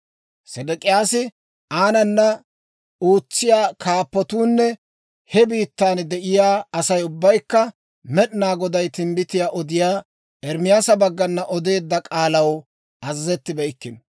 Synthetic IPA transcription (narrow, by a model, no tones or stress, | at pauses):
sɛd̪ɛkʼɪjaːsɪ | aːnɐnːɐ | uːt͡sːɪjaːkʰaːpːɔt̪uːnːɛ | hɛbiːt̪ːaːnd̪ɛʔɪjaːɐsɐjʊbːɐjkːɐ | mɛɗɪnaːɡɔd̪ɐjt̪ɪmbɪt̪ɪjaːʔɔd̪ɪjaː | ɛɾmɪjaːsɐbɐɡːɐnːɐʔɔd̪e̞ːd̪ːɐkʼaːlɐw | ʔɐzɐzɛt̪ːɪbɛjɪkːɪn